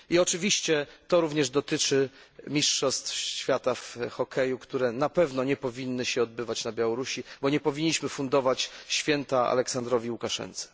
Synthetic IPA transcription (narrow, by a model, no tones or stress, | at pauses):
iɔt͡ʂɘvʲiɕt͡ɕɛt̪ɔɾuvɲɛʐd̪ɔt̪ɘt͡ʂɘ | mʲiʂʂɔst̪fɕfʲjat̪afxɔkʰɛjukt̪uɾɛnapɛvnɔɲɛpɔvʲinːɘɕɛɔd̪bɘvat͡ɕnabʲjawɔɾuɕibɔɲɛpɔvʲiɲːiɕmɘfund̪ɔvat͡ɕɕfʲjɛnt̪aa̰lɛksand̪ɾɔvʲiwukaʂɛ̰nt̪sɛ̥